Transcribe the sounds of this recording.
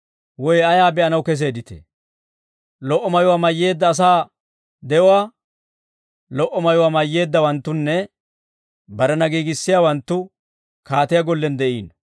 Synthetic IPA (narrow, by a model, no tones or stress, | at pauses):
wɔjɐjaːbɛʔɐnɐwkɛs̬e̞ːd̪ɪt̪ɛ̰ | lɔʔːɔmɐjʊwaːmɐjːe̞ːd̪ːɐːs̬aː | d̪ɛʔʊwaː | lɔʔɔmɐjʊwaːmɐjːe̞ːd̪ːɐwɐnt̪ːʊnːɛ | bɐɾɛnɐɡiːɡɪsːɪjaːwɐnt̪ːʊ | kaːt̪ɪjɐɡɔlːɛnd̪ɛʔḭːn